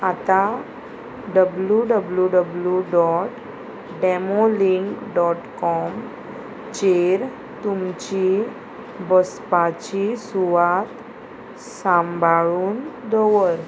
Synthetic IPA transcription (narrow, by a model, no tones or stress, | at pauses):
at̪a | ɖəbluɖəbljuɖəbljuɖɔʈ | ɖɛmoliŋkɖɔʈkɔm | t͡ɕeɾ | t̪umt͡ɕi | bəspat͡ɕisuʋat̪ | sãmbʱaɭuːnd̪ɔʋəɾ